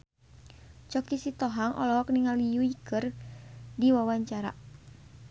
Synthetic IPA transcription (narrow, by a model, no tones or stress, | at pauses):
t͡ʃɔk̚t̪isit̪ɔɦaŋʔɔ̰lɔɦɔk̚niŋalijuikɨrdiwawaɲt͡ʃaɾa̰